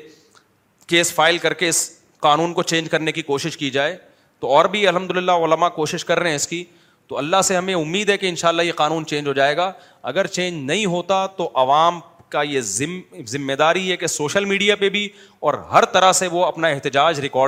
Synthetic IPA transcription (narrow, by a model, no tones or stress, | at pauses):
keːsfaːɪlkɐɾkeɪs | qaːnuːnkot͡ʃẽːnd͡ʒkɐɾnekikoːʃɪʃkid͡ʒaːeː | t̪oɔːɾbʱiɐlɦɐmd̪ʊlɪlːaʊləmakoːʃɪʃkɐɾːɛɛ̃ɪski | t̪oɐlːaɦseɦɐmẽʊmːiːd̪ɦɛkeɪ̃nʃaːlːajeqaːnuːnt͡ʃẽːnd͡ʒɦoːd͡ʒaːeːɡaː | ɐ̰ɡəɾt͡ʃẽːnd͡ʒnɐɦĩɦoːt̪at̪oʔɐʋaːm | kajeɪzɪmːed̪aːɾiɦɛkesoːʃəlmiːɖijapebʱi | ɔːɾɦɐɾt̪ɐɾaɦseʋoɐpnaɛɦt̪ɪd͡ʒaːd͡ʒɾɪkɔː